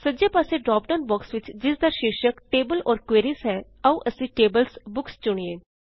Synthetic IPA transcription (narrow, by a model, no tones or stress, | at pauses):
səd͡ʒjaːpaːseːɖɾaːpɖaːnbɔːksʋɪt͡ʃd͡ʒɪsd̪aːʃɪkʃəkʈeːbəlɔːɾkweːɾisɦɛː | əũʔəsĩːʈeːbəlsbʊkst͡ʃʊɽ̃ieː